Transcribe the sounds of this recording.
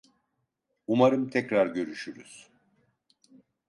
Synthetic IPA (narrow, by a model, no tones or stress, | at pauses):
umaɾɯmt̪ʰɛcɾaɾɟø̞ɾyʃyɾyz̥